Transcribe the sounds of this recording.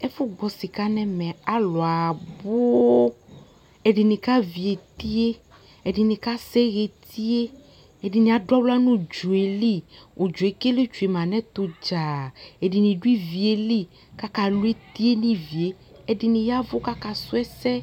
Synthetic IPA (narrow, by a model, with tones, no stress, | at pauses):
ɛ˦fu˦ɡ͡bɔ˨si˨ka˦nɛ̃˦mɛ̃˨a˦lɔ˨a˨bo˦ | e˨ɖi˨nĩ˨ka˦vi˨e˨t̪i˦e˦ | e˨ɖi˨nĩ˨ka˦sɛ˦ɣe˨t̪i˦e˦ | e˨ɖi˨nĩ˨a˨ɖɔ˦bla˦nũ˦d͡ʒu˨e˨li˦wo˨d͡ʒo˨e˨ke˦le˦t͡ʃu˨e˨mã˨nɛ̃˦t̪o˦d͡ʒa˨e˨ɖi˨nĩ˨ɖu˦i˦vi˨e˨li˦ | ka˦ka˨lu˦e˦t̪i˦e˦nĩ˦vi˨e˦ | e˦ɖi˨nĩ˨ja˦vo˦ka˦ka˦su˦ɛ˦sɛ˦